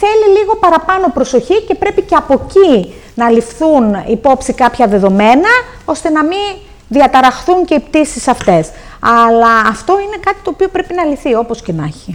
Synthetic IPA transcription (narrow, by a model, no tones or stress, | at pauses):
θe̞liliɣo̞pɐɾɐpɐno̞pɾo̞so̞çice̞pɾe̞pice̞ɐpo̞ci | nɐlifθunipo̞psikɐpçɐðe̞ðo̞me̞nɐ | o̞st̪e̞nɐmi | ðiɐt̪ɐɾɐxθuɲce̞ipt̪isisɐft̪e̞s | ɐlɐːft̪o̞ine̞kɐt̪i̥t̪o̞ːpiopɾe̞pinɐliθio̞po̞scenɐ̰çi